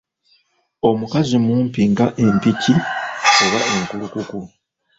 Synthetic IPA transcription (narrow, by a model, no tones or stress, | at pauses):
o̞mukazimuːmpiŋɡaʔe̞mpicio̞βae̞ŋkulukuku